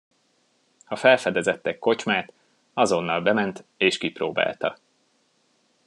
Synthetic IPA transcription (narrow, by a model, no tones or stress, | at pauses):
hɒfɛlfɛd̪ɛzɛt̪ːɛkːo̞t͡ʃmaːt̪ | ɒzo̞nːɒlbɛmɛnt̪eːʃkiproːba̰ːlt̪ɒ̰